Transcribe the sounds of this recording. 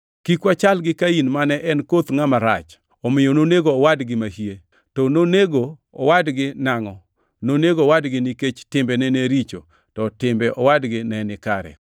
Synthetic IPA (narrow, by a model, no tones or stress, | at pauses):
kikwat͡ʃalɡɪkainmanɛʔɛnkot̪ŋamaɾa̰t͡ʃ | ɔmɪjononeɡoːwadɡɪmahie | tononeɡo̰ːwadɡɪnaŋɔ | noneɡowadɡɪniket͡ʃtɪmbɛnɛneɾit͡ʃo̰ | tɔtɪmbɛʔɔwadɡɪnɛnɪkaɾɛ̰